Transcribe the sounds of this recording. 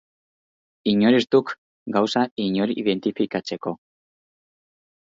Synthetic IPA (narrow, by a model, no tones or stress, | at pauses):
iɲo̞ɾist̪uk | ɡawsaiɲo̞ɾiiðe̞nt̪ifikat͡se̞ko̞